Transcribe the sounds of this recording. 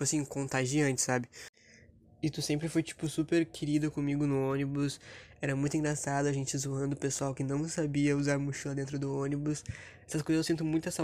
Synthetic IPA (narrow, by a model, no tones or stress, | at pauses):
ojasĩkõnt̪aʒiɐ̃nt͡ʃɪ̥sabɪ | ɪt̪usẽmpɾɪfojt͡ʃi̥pʊsupeɾkʰɪɾid̪ʊkõmiɡʊnʊõnibʊsɛɾɐmũj̃t̪ʊĩŋɡɾasad̪ʊaʒẽnt͡ʃɪɪzuɐ̃nd̪ʊpesuawkɪnɐ̃w̃sabiɐuzaɾmuʃilɐd̪ẽnt̪ɾʊd̪ʊõnibʊs | ɛsɐs̬kojzɐzewsĩnt̪̬ʊmũj̃t̪ʊɛsɐ